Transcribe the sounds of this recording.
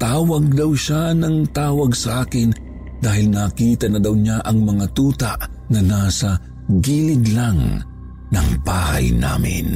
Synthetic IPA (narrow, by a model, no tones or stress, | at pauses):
t̪aːwɐɡ̚d̪ɐwʃanɐŋt̪aːwɐɡsɐʔaːkɪn | d̪aːhɪlnakiːt̪ɐnɐd̪ɐwɲaʔɐŋmɐŋat̪uːt̪aʔ | nɐnasɐ | ɡilɪɡlaŋ | nɐ̰ŋbaːha̰jna̰ːmɪ̰n